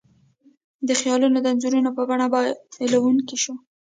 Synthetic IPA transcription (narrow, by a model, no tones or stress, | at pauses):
d̪əxjɑlunod̪əanzuɾunopəbaɳabɑdpelawuŋkiʃu